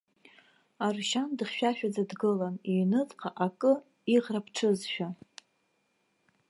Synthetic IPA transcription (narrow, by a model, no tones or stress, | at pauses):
arʃandɨχʲʃᶣaʃᶣad͡zadɡɨlanijnɨt͡sʼqʰʼaʔakʼɨ | iʁrapʰʈ͡ʂʰɨzʃᶣa